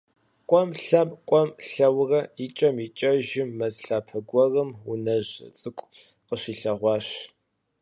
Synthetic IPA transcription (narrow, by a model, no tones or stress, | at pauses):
kʷʼɔmɬɐmʼkʷʼɔmɬɐwrɐit͡ʃʼɐmit͡ʃʼɐʒɪmːɐzɬaːpʰɐɡʷɔrɨmunɐʑ̰t͡sʼɨkʷʼ | qəɕiːɬɐʁʷɑːɕ